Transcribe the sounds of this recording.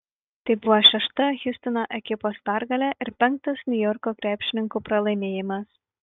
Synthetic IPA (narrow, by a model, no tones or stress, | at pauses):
t̪ɐɪbʊʋoːʃʲɛʃt̪ɐɣʲʊsʲt̪ʲɪnoːʔɛkʲɪpoːspʲæˑɾɡɐlʲæʔɪɾpʲɛŋˑk̚t̪ɐsnʲʊjɔɾkoːkɾʲæːpʲʃʲɪnʲɪŋkuːpɾɐlˠɐɪmʲeːjɪmɐs